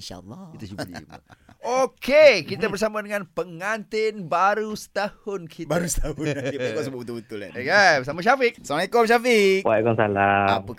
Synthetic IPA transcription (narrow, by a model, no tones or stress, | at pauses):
nʃa̰lːɔit̪ud͡ʒubd̪ḭba̰okekit̪abərs̬amadəŋanpəŋant̪ɪnbaɾusə̥t̪ahʊnkʰibaɾust̪aʊkaʔsəbuʔbət̪ulbət̪ʊla̰kabəsamaʃafɪk̚samaikɔmʃafik̚waʔkɔnsa̰laampa